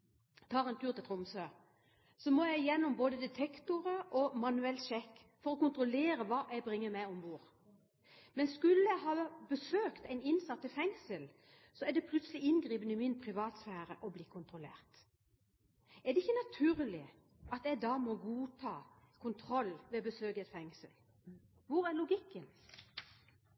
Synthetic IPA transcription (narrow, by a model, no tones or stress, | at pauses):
t̪ʰɑːʁɛnt̪ʰʉːʁt̪ɪlt̪ʁʊmsø | sɔmɔjæɪjɛnːʊmboːd̪əd̪ɛt̪ʰɛkt̪ʊʁəʔɔmɑnʉɛlʃɛkː | fɔɾɔkʊnt̪ʁʊleːɾəʋɑːʔæɪbʁɪŋːəmɛɪɔmbuːʁ | mɛnskʉlːəjæɪɦɑːbəsøːkt̪æɪnɪnsɑt̪ːɪlfɛŋsəl | sɔæɖ̪ɛpʰlʉt̪səlɪɪnɡʁiːpənɪmɪnpʰʁɪʋɑːt̪sfæːɾəʔɔbliːkʰʊnt̪ʁʊlḛːʁt̪ | æd̪ɛɪçːənɑt̪ʰʉːʁlɪ | ʔɑt̪ɛɡd̪ɑːmɔɡuːt̪ʰɑːkʰʊnt̪ʰʁɔlːʋɛbəsøːɡət̪fɛŋsəl | ʋʊɾæɾlʊɡɪkːən